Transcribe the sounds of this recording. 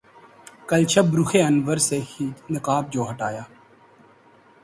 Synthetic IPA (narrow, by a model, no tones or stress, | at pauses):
kəlt͡ʃʰəbɾʊxʰeːənʋəɾseːxinəkaːb̚d͡ʒoːɦəʈaːjaː